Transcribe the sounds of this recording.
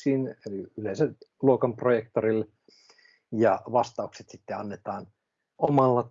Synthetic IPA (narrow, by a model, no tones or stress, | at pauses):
iːneliylensæluokɑmprojek̚t̪oril | jɑʋɑst̪ɑukse̥t̪sit̪ːeɑnːet̪ɑːn | omɑlːɑ